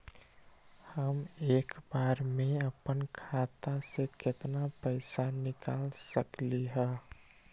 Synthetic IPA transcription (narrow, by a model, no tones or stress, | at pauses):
həmeːkbaɾmẽəpənkʰat̪aseket̪napəɪsanɪkaːlsəkliɦə